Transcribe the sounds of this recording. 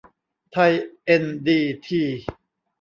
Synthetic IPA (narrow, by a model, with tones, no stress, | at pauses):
t̪ʰa˧jʔe˧ndiː˧t̪ʰiː˧˩